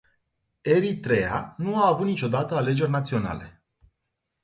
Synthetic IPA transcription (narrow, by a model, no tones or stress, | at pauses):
e̞ɾit̪ɾe̞a̰nuaːvut̪̚nit͡ʃo̞d̪at̪əale̞d͡ʒe̞rʲnat̪sio̞na̰le̞̰